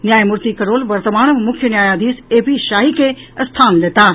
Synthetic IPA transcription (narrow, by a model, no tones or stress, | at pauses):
njaːjmʊɾt̪ikɐɾoːlʋɐɾt̪əmaːɳmʊkʰjənjaːjaːd̪iːseːpiʃaːɦikʰeɐst̪ʰaːnleːt̪aː